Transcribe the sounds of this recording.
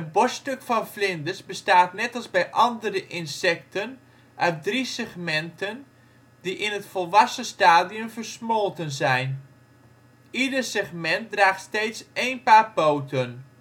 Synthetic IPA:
əbɔstøkfɑnflɪndəsbəstaːtnɛtɑlˠzbɛjʔɑndəɾəʔɪnsɛk̚tʰən | ʔœɥt̚drisɛχmɛntən | diʔɪnətfɔlˠʋɑsəstaːdijəmfərsmolˠtənzɛjn | idərsɛχmɛnt̚draːχtsteːtsejnpaːrpowtən

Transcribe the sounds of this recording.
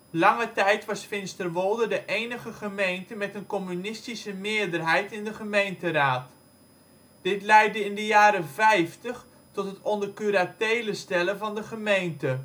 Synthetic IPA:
lɑŋətɛjtʋɑsfɪnstərʋolˠdədəʔejnəχəχəmejntəmɛtənkɔmynɪstisəmɪədərɦɛjtɪndəχəmejntəraːt | d̥ɪtlɛjdəɪndəjaːɾəvɛjftəχ | tɔtɦətɔndərkyɾatejləstɛləvɑndəχəmejntə

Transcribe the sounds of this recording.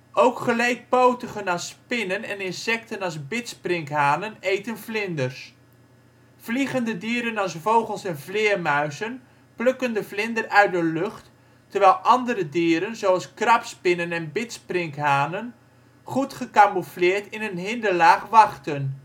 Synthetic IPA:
owkχəlejt̚powtəχənɑspɪnənɛnɪnsɛk̚tənɑlˠzbɪtsprɪŋkɦaːnənejtənvlɪndəɹs | v̥liχəndədiːɾənɑsvowχəlˠsɛnvlɪːɹmœɥzən | plɵkəndəvlɪndərœɥ̚dəløχtː | əɹʋɛjlˠʔɑndəɾədiːɾənzowɑlˠskrɑpspɪnənɛnbɪtsprɪŋkɦaːnən | χutχəkamuflɪːɹtɪnənɦɪndəlaːχʋɑχtən

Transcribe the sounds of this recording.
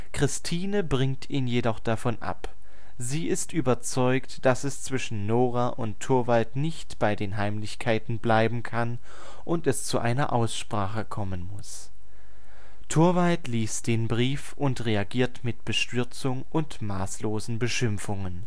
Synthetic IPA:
kʁ̥ɪstʰiːnəbʁɪŋtʰiːnjedɔχd̥afɔnʔa̰p | ziːʔɪstʔyːbɐt͡sɔʏktd̥asɛst͡sv̥ɪʃn̩ːoːʁaʔʊntʰːʊɐvaltnɪçtb̥aɪdeːnɦaɪmlɪçkʰaɪtn̩blaɪbm̩kʰan | ʔʊntɛst͡suʔa̰ɪnɐ̰ʔaʊsʃpʁ̥aːχəkʰɔmənmʊs | tʰʊɐvaltliːstd̥eːnbʁiːf | ʊntʁeaɡiːɐtmɪtb̥əʃtʏɐt͡sʊŋʔʊntmaːsloːzn̩bəʃɪmfʊŋən

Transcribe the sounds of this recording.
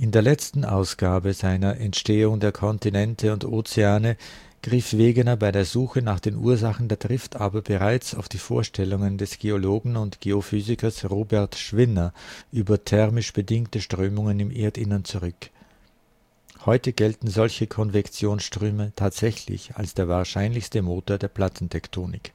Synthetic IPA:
ʔɪndeːɐlɛt͡stn̩ʔa̰ʊsɡ̥aːbəzaɪnɐʔɛntʃteːʊŋdeːɐkʰɔntinɛntʰəʊntʔoːt͡seaːnə | ɡ̥ʁifv̥eːɡənɐbaɪdeːɐzuːxənaːχd̥eːnʔṵːɐzaχn̩deːɐdʁɪftʰʔaːbɐbəʁaɪt͡saʊfd̥iːfo̰ːɐʃtʰɛlʊŋəndɛsɡ̥eːoloːɡŋ̩ʊntɡ̥eːofyːzɪkɐsʁoːbɛɐtʃv̥ɪnɐʔyːbɐtʰɛʁmɪʃb̥ədɪŋtəʃtʁ̥øːmʊŋənɪmʔeːɐtɪnɐnt͡suʁʏk | hɔʏtəɡ̥ɛltn̩zɔlçəkʰɔnvɛkt͡sjoːnsʃtʁ̥øːmətʰaːtz̥ɛçlɪ̰ça̰lsd̥eːɐvaːɐʃaɪnlɪçstəmoːtoːɐdeːɐpl̥atn̩tʰɛktʰoːnɪ̰k

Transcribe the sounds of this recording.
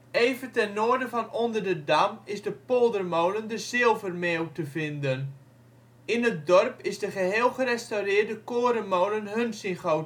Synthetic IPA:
ejvəntɛnːoːəɹdəvɔnondərdədamɪzdəpolˠdərmowləndəzɪlˠvərmeːwtəvɪndən | ɪnət̚dɔrpɪsdəχəɦeːlˠχərɛstawrɪːrdəkoːəɾəmowlənɦɵnsɪnχowt

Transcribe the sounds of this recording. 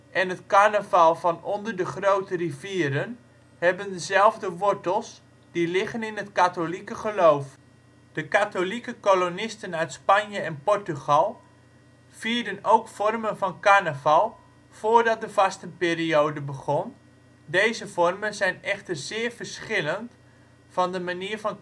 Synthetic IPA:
ʔɛnətkarnəvalˠvɔnɔndərdəχrowtəriviəɾən | hɛbəndəzɛlˠvdəʋɔɹtəlˠs | d̥ilɪχənɪnətkatolikəχəlowf | d̥əkatolikəkolonɪstənœɥtspanjəɛnpɔrtyɣalˠ | fiːrdənowkfɔrmənvɑnkanəvalˠ | foːrdɔt̚dəvastənpeːriowdəbəɣɔn | dejzəfɔrmənzɛjnɛχtərzɪːrvərsχɪlənt | fɔndəmaniːəɹvɑn

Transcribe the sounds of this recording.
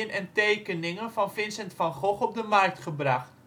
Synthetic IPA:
ənɛntejkənɪŋənvɑnfɪnsɛntfɑnχɔχɔp̚dəmɑrk̚tχəbrɑχt

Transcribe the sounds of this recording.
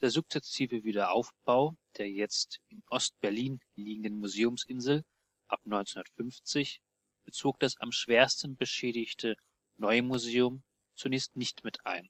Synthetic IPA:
d̥eːɐzʊk̚t͡sɛsiːvəviːdɐʔa̰ʊfb̥aʊd̥eːɐjɛt͡stʔɪnʔɔst̚b̥ɛɐliːn | liːɡŋ̩dənmuzeːʊmsʔɪnzl̩ | ʔap̚nɔʏnt͡shundɐtfʏnft͡sɪç | b̥ət͡soːk̚d̥asa̰mʃv̥eːɐstn̩bəʃɛːɾɪçtʰə | nɔʏmuzeːʊm | t͡sunɛːçstnɪçtmɪtʔa̰ɪn

